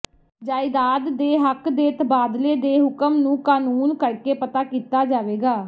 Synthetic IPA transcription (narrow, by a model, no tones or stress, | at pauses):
d͡ʒaːɪd̪aːd̪ːeːɦəkd̪eːt̪baːd̪leːd̪eːɦʊkəmnũːkaːnuːnkəɽkeːpət̪aːkiːt̪aːd͡ʒaːʋeːɡaː